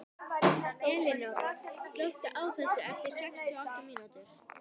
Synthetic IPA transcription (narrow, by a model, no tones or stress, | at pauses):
ɛːlɪnowst̪lœwht̪ɪʔaːwθɛsːʏɛft̪ɪɾ̥sɛkst̪ʰɔɔht̪ɪmiːnut̪ʏɾ̥